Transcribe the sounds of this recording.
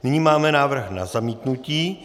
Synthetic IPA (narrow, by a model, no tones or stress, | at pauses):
nɪɲimaːmɛnaːvr̩xna̰zamiːt̪nuciː